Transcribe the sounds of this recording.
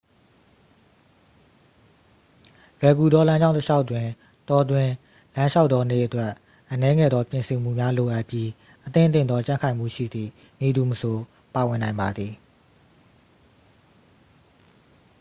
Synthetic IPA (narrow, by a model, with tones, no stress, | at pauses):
lwɛ˨ɡu˨d̪ɔ˦lã˦ɲd͡ʑã˦˨ʊ̃tə˦ʃʰa˦ʊʔtwɪ̃˨ | tɔ˨dwɪ̃˨ | lã˦ʃa˦ʊʔt̪ːɔ˦nḛ˦˨ʔətwɛ˦ʔ | ʔənɛ˦ŋɛ̰˦˨d̪ɔ˦pjɪ̃˨nsɪ̃˨m̥ṵ˦˨mja˦lo˨ʔa˦ʔpji˦ | ʔət̪ɪ̰̃˦˨t̪ɪ̰̃˦˨d̪ðɔ˦t͡ɕã˦˨ŋkʰã˨ɪ̃m̥ṵ˦˨ʃḭ˦˨d̪ðḭ˦˨ | mi˨d̪u˨məsʰo˨ | pa˨wɪ̃˨nã˨ɪ̃mba˨d̪ði˨